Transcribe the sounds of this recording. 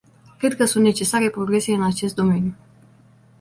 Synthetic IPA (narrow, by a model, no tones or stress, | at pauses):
kɾe̞d̪̚kəsunt̪ne̞t͡ʃe̞saɾe̞pɾo̞ɡɾe̞se̞ɨnat͡ʃe̞st̪̚d̪o̞me̞nju